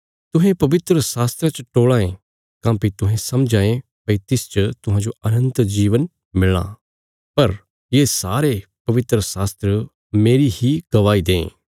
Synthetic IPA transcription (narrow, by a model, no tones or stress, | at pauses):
t̪ʊɦẽpɐʋɪt̪ɾəsaːst̪ɾat͡ʃɐʈoːɭaːẽ | kãːpit̪ʊɦẽsɐmd͡ʒãːẽ | pɐit̪ɪst͡ʃɐt̪ʊɦãːd͡ʒoɐnə̃nt̪d͡ʒiːʋən | mɪla̰ː | pɐɾ | jeːsaːɾepɐʋɪt̪ɾəsaːst̪ɾə | meːɾihiɡ̥ɐʋaːid̪ẽːḛ̃ː